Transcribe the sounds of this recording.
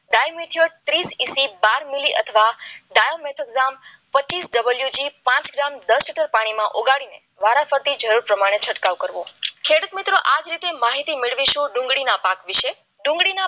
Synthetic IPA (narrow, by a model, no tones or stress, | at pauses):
ɖajmeʈ̪ʰijoəɽ̚t̪ɾisisibaɾmiliʔət̪ʰəʋaɖajomeʈ̪ʰəkzam | pət͡ʃːisɖəbəljud͡ʒipãt͡ʃɡɾamd̪əsliʈəɾpaɽ̃imãʔoɡaɽine | ʋaɾafəɾt̪id͡ʒəɾuɾpɾəmaɽ̃et͡ʃʰəʈkaʋkəɾʋokʰeɽut̪mit̪ɾoʔad͡ʒɾit̪emaɦit̪imɪɭʋiʃũɖũŋɡɽinapakʋiʃe | ɖũŋɡɽina